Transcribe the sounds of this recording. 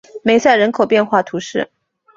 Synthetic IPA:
me˨˩ɪsa˥˩ɪɻə˧˥nkʰo˨˩ʊpjɛ˥˧nxwa˥˩t̪ʰu˧˥ʂɻ̩˥˩

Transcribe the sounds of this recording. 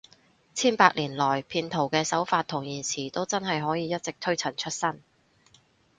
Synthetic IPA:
t͡sʰiː˥npaː˧k̚liː˨˩nlɔː˨˩jpʰiː˧nt̪ʰo˨˩wkɛː˧sɐ˨˥wfaː˧t̪ʰʊ˨˩ŋjiː˨˩nsʰiː˨˩t̪o˥wt͡sɐ˥nɦɐ˨jɦɔː˨˥jiː˨˧jɐ˥t̚t͡sɪ˨k̚t̪ʰɵ˥ɥt͡sʰɐ˨˩nt͡ʃʰɵ˥t̚sɐ˥n

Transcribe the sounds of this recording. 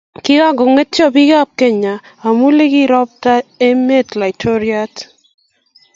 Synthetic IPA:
kɪ˦ka˦ɡo˨ŋe˦tjɔ˦˨bi˦ka˦˨p̚ke˦ɲa˨a˨mu˦le˦ki˦ɾɔ˦p̚ta˦e˦me˦tla˨i˨tʰo˦ɾja˦t

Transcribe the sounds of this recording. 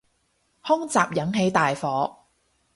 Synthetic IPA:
hʊ˥ŋt͡saː˨p̚jɐ˨˥ŋɦe˨˥jt̪aː˨jfɔː˨˥

